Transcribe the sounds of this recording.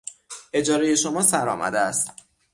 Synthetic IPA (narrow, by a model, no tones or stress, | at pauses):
ʔe̞d͡ʒɒːɾeje̞ʃo̞mɒːsæɾɒ̰ːmʔæ̰d̪eæst̪